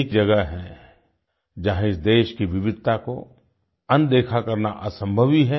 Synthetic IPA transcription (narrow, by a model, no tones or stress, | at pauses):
kd͡ʒɐɡəɦɦɛ̃ | d͡ʒaɦɪsd̪eːʃkiʋɪʋɪd̪̚ʱt̪ako̰ | ɐ̃nd̪eːkʰakɐɾnaʔəsə̃mbʱəʋiɦɛ